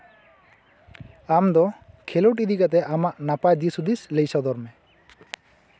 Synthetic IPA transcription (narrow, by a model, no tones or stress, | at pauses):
amd̪ɔ | kʰɛloʈid̪ikat̪̬ɛʔamaʔnapad̪isud̪islejsad̪ɔɾmɛ